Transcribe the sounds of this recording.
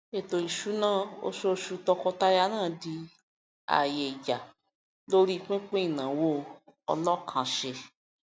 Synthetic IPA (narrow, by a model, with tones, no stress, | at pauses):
e˨t̪o˨ji˨ʃu˦nã˦o̰˦ʃo˦ʃu˧t̪ɔ˧kɔ˧t̪a˦ja˦nã˦˨di˧ | a̰˨je˨d͡ʒa˨ | lo˦ɾi˦˨k͡pẽ˦k͡pẽ˦i˨nã˨wo˦ɔ̰˨lɔ˦kʰã˨ʃe˧